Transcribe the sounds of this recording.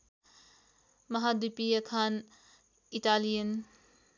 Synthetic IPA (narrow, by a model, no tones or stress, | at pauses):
mɐɦadupiɐkʰan | italijən